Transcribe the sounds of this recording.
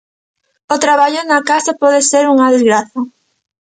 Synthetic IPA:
ot̪ɾaβaʎʊnakasapɔðeseɾuŋɐðezɣɾaθɐ

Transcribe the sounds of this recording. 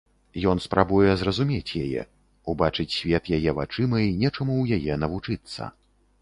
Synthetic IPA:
jɔn̪spɾʔabujɛzrɐzumʲet͡sʲjajɛ̰ | ubat͡ʂɨt͡sʲsʲvʲɛt̪jajɛva̰t͡ʂɨmɐinʲɛt͡ʂɐmuwjajɛnɐvut͡ʂɨt̪sːɐ̰

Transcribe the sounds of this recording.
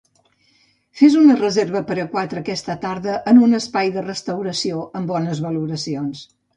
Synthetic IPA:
fezunərəzeɾβəpəɾəkwat̪ɾəːkɛst̪ət̪aɾðəʔənunəspajðərəst̪əwɾəsioʔəmbɔnəzβəluɾəsions

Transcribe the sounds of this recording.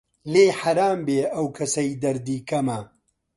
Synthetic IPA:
leːħɐɾaːmbeːʔɐwkʰɐsɐjd̪ɐɾd̪iːkʰɐmɐ

